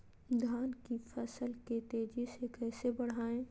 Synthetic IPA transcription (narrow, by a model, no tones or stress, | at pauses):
d̪ʱaːnkifʰɐsəlket̪eːd͡ʒisekɛːsebɐɽ̤aːẽː